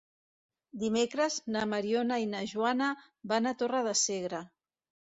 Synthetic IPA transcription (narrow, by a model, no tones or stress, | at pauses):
d̪imekɾəznamaɾionainəʒwanə | banat̪orəðəseɣ̞ɾə